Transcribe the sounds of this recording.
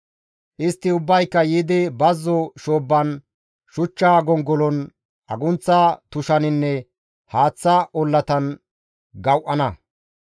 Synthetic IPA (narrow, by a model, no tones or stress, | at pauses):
ʔɪst̪ːɪʊbːɐjkːɐjiːd̪ɪbɐzːɔʃoːbːɐn | ʃʊt͡ʃːaːɡɔŋɡɔlɔn | ʔɐɡʊnt͡sːɐt̪ʊʃɐnɪnːɛ | haːt͡sːɐʔɔlːɐt̪ɐn | ɡɐwʔɐnɐ